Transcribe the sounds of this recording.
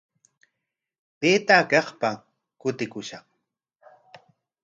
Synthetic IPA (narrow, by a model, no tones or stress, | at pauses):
peːt̪aːkɑχpa | kʊt̪ɪkʊʃɑχ